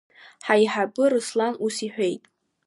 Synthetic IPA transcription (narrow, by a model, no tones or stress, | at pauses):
ħajħabʼɨrɨslanusiħʷᶣe̞jtʼ